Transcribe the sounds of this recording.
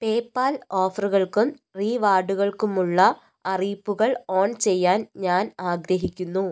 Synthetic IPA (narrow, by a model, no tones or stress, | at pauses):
pe̞ːpːaːlo̞ːfɐruɣɐɭkumriːʋaːɖuɣɐɭkumuɭːɐ | ɐriːpːuɣɐɭo̞ːɳt͡ɕe̞jːaːnɲaːnaːɡɾɐɦikʲːunːu